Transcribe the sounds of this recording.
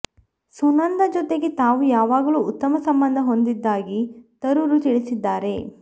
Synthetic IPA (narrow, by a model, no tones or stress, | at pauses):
sunɐnd̪ɐd͡ʒɔt̪e̞ɡe̞t̪aːʋujaːʋaːɡɐluːut̪ːɐmɐsɐmbɐnd̪ʱɐɦo̞nd̪id̪ːaːɡit̪ɐɾuɾut̪iɭisid̪ːaːɾe̞